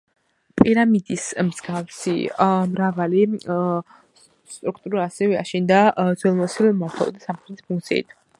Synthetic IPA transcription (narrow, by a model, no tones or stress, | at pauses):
pʼiɾamid̪ismz̥ɡavsḭmɾavali | st̪ʼɾuk̚ʰt̪ʼuɾaːsɛvɛa̰ʃind̪ad̪zwɛlˠmɔsilmɔt̪ʰa̰lˠɔ̰d̪asamχɾɛt̪i̥spʰuŋkt̪sʰḭḭt̪ʰ